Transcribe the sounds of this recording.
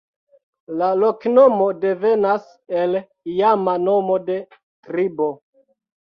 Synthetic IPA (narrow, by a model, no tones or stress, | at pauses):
lalo̞kno̞mo̞de̞ve̞nas | e̞l | ijamano̞mo̞de̞ | tɾibo̞